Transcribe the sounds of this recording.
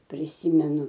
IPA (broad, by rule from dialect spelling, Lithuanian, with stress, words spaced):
pʲrʲɪˈsʲiːmʲɛnʊ